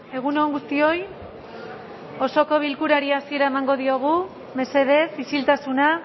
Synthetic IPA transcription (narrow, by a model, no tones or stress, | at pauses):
e̞ɣ̞unoŋɡust̪io̞j | o̞so̞ko̞β̞ilkuɾaɾiasie̞ɾaemaŋɡo̞ðio̞ɣ̞u | me̞se̞ðe̞sisilt̪asuna